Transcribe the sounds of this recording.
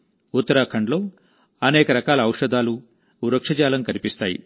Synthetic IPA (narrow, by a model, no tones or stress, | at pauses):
ut̪ːɐɾaːkʰɐɳɖlo̞ː | ɐnɛːkɐɾɐkaːlɐːwʂɐd̪aːlu | uɾɐkʂɐd͡ʒaːlɐmkɐnipist̪aːjḭ